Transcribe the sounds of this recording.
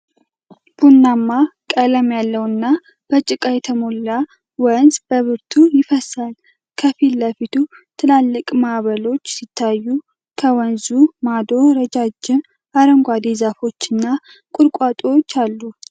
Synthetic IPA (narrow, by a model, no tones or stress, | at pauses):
b̥unːamːakʼələmjalːəwɨnːa | b̥ət͡ʃʼɪkʼajɛt̪ʰəmo̞lːa | wənzbəβɨɾt̪ʰujɪfəsal | kʰəfilːəfit̪ʰu | t̪ʰɨlalːɨkʼmaβəlo̞t͡ʃːsit̪ʰːajːu | kʰəwənzumad̪o̞ɾəd͡ʒad͡ʒːɪm | aɾəŋɡʷad̪ezafo̞t͡ʃːɨnːa | kʼʊɾkʼat̪ʼot͡ʃːalːu